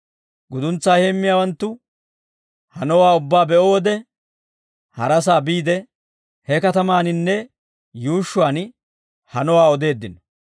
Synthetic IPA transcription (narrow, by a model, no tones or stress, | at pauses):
ɡʊd̪ʊnt͡sːaːheːmːɪjaːwɐnt̪ːʊ | hɐnɔwaːʊbːaːbɛʔoːɔd̪ɛ | hɐɾɐsaːbiːd̪ɛ | hɛkɐt̪ɐmaːnɪnːɛ | juːʃːʊaːn | hɐnɔwaːɔd̪e̞ːd̪ːɪnɔ̥